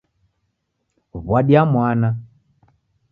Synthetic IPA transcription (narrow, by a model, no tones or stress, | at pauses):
βwaɗiamwana